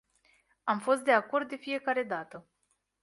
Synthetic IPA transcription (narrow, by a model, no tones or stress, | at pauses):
amfo̞st̪̚d̪e̞ako̞rd̪̚d̪ːe̞fije̞kaɾe̞d̪at̪ə